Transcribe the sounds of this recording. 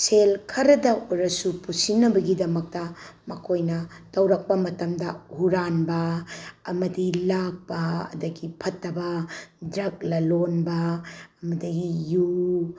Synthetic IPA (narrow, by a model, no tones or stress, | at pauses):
selkʰɐɾɐdɐoɾɐsupusinːɐbɐɡidɐmɐk̚tɐmɐkʰojnɐ | tɐwɾɐk̚pɐmɐtɐmdɐhuɾanbɐɐmɐdilak̚pɐɐ̰dɐɡipʰɐtːɐbɐdɾɐk̚lɐlonbɐɐmɐdɐɡiju